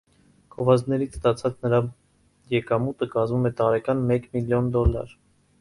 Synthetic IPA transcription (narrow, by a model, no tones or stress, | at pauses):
ɡ̥ʰɔvɑznɛɾit͡sʰst̪ɑt͡sʰɑt͡snəɾɑ | jɛkɑmut̪əkɑzmumɛt̪ɑɾɛkɑnmɛkmiljɔnd̪ɔlːɑ̰ɾ